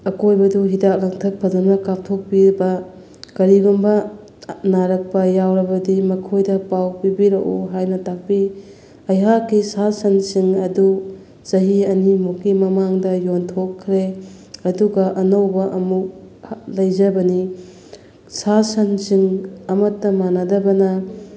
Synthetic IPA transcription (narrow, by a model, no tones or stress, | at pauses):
ɐkojbɐduɦidak̚lɐŋtʰɐk̚pʰɐzɐnmɐkap̚tʰok̚pibɐ | kɐɾiɡumbɐ | naɾɐk̚pɐjawɾɐbɐdimɐkʰojdɐpawpibiɾɐʔuɦajnɐtak̚pi | ɐjɦakːisasɐnsiŋɐdu | sɐɦiɐnimokːimɐmaŋdɐjontʰokʰːɾe | ɐduɡɐʔɐnɐwbɐʔɐmuk̚lɐjzɐbɐni | sasɐnsiŋɐmɐtːɐmanadɐbɐnɐ